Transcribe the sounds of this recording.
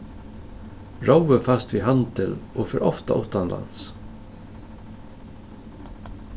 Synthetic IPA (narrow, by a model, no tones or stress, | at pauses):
ɹawəfast̪ʋiːɦant̪ʰɪloːfɪɾʔɔft̪a̰ʔʊht̪anlʔa̰ns